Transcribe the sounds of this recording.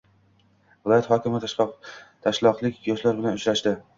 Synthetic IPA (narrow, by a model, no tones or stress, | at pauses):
vɪlˠɒjat̪hɒkʲɪmɪt̪ | t̪ʰaʃlˠɒqlˠɪkʲjɒʃlaɾbɪlanʊt͡ʃɾaʃd̪ɪ